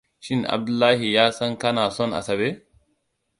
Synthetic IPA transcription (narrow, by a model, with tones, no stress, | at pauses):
ʃɪ˦nɐ̰˨b̚d̪ʊ˦lːaː˦hɪ˨jaː˦sɐ˦ŋkɐ˦naː˨sɔ˦nɐ̰˨sɐ˨beː˦